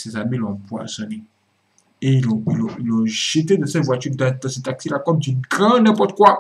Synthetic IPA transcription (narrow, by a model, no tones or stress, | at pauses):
sɛzamĩlɔ̃bwa̰sɔ̃nĩ | eiloiloilɔʒ̥eted̪ɛsɛvwat͡ʃyɾdãt̪ɔ̃sĩtaksilakɔmd͡ʒiɡãnɛ̃pɔt̪̚kwa